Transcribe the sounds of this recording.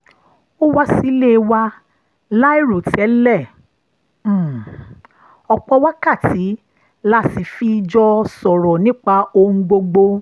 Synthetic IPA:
o˦wa˦si˨˦le˦˧wa˦ | la˦i˦˨ɾo˨tɛ˨˦lɛ˦˨˦ | ɔ˧k͡pɔ˧wa˦ka˦˨tʰi˨˦ | la˦ti˧˨fi˦˧d͡ʒɔ˧sɔ˨ɾɔ˨nĩ˦k͡pa˧o˧ũ˧ɡ͡bo˧ɡ͡bo˧

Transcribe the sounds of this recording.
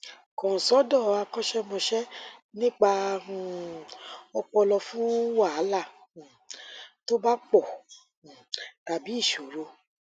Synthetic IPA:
kɔ̃˨sɔ˨˦dɔ˦˨a˧kɔ˦ʃɛ˦mɔ̃˧ʃɛ˦nĩ˦k͡pa˧ũ˧ | ɔ˧k͡pɔ˧lɔ˧fũ˦wa˦˨˦la˦˨ | to˦ba˦k͡pɔ˦˨ | ta˨bi˨˦i˦˨ʃo˨˦ɾo˧

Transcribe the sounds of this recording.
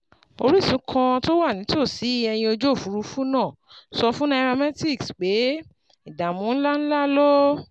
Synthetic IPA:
o˧ɾi˦˨sũ˨˦kʰã˧to˦wa˦˨nĩ˨˦to˦˨si˨˦ɛ˧j̃ĩ˧o˧d͡ʒo˦˨fu˨˦ɾu˧fũ˦nãː˦˨ | sɔ˧fũ˦na˧˦ɾa˧mɛ˦ti˦˨ksk͡pe˨˦ | i˦˨da˨mũ˨˦n̩˦la˦ñ̩˦la˦lɔ˦

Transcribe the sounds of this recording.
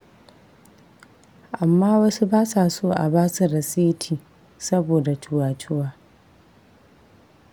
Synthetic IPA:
ʔa˨mːaː˦wɐ˦su˦baː˦sa˨soː˦ʔa̰˨baː˦su˨ɾɐ˨seː˦tʰiː˨ | sɐ˦boː˨da˨tʰʊ˨waː˨tʰʊ˦waː˦

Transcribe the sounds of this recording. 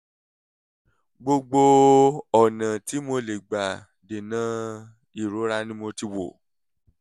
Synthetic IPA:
ɡ͡bo˧ɡ͡bo˧ɔ˦˨nã˨ti˨˦mo˧le˨ɡ͡ba˨ | de˨nã˨˦ | i˦˨ɾo˨˦ɾa˦nĩ˦mõ˧ti˧wo˨

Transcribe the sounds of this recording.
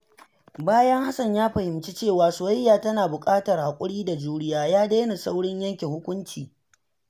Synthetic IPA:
baː˦jɐ˦ŋha˦sɐ˨ɲjaː˦ɸɐ˨hɪ˨mt͡ʃi˦t͡ʃeː˦˨waː˨sʊ˨a˦jːaː˨tɐ˦naː˨bʊ˨kʼaː˦tɐ˨rha˨kʷʼʊ˦ɽiː˦da˨d͡ʒuː˦ɽɪ˦jaː˦jaː˦deː˦na˨sa˦wɽɪ˦ɲjɐ˦ŋkʲe˨hʊ˦kʷʊ˦nt͡ʃiː˨

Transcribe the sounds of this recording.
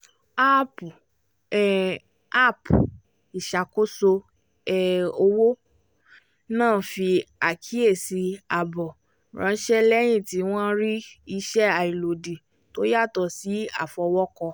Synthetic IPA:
a˦pu˨ | ɛ˨ | a˦˨pu˨ | i˨ʃa˨ko˦so˧ | ɛ˨o˧wo˦ | nãː˦˨˦fi˧a˨kʰi˨˦e˦˨si˧a˨bɔ˨ | ɾã˨˧˦ʃɛ˦lɛ˦j̃ĩ˦˨ti˨˦w̃ɔ̃˦ɾi˦i˧ʃɛ˦a˨i˨lo˨di˨ | to˦ja˦˨tɔ˧si˨˦a̰˦˨fɔ˧wɔ˦kɔ˧

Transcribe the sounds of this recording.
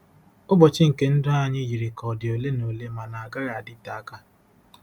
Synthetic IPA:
ʊ˦bɔ˨t͡ʃɪ˦ŋ̩˨ke˦n̩˦dʊ˦a˦ɲɪ˦ji˨ɾɪ˨kʰɔ˨dɪ˨o˨le˦no˨le˦ma˨na˨a˨ɡa˦ɾa˨a˨dɪ˦ta˨a˦ka˦

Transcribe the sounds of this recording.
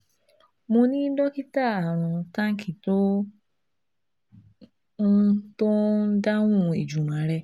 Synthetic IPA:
mõ˧nĩ˦dɔ˦ki˦ta˦˨a˨ɾ̃ɔ̃˨ta˦ŋ̩˦kʰi˨to˦ | to˦da˦ŋũ˦˨i˨d͡ʒu˨ñ˨a˨ɾɛ˧

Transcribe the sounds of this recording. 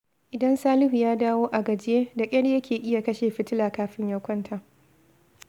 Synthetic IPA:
ʔɪ˨dɐ˦nsaː˦lɪ˦hu˨jaː˦daː˦woː˦ʔa˨ɡɐ˨d͡ʒɪ˦jeː˦da˨kʲʼɐ˦ɽjɐ˦kʲeː˨ʔɪ˦ja˨kɐ˦ʃeː˨ɸɪ˦tɪ˦laː˨kaː˦ɸɪ˦ɲjɐ˦wkʷɐ˦ntʰa˨ʔ

